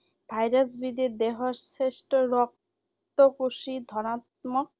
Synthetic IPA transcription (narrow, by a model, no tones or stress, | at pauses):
bʱajɾas̬bid̪id̪eɦaɾseʃʈoɾɔk̚ | t̪okuʃid̪ʱɔnat̪̚mok̚